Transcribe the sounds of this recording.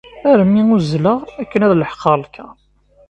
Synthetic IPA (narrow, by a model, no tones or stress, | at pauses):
æɾəmːiuzləʁækːənæðləħqɑlkʰːæ